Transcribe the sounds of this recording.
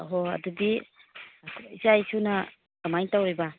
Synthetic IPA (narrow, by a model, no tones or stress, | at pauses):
ɦoɐ̰dudi | izajsunɐ | ɡɐmajntawɾibɐ